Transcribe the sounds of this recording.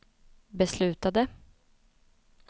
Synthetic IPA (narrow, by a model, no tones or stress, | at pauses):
bɛslʉ̟ːt̪ad̪ə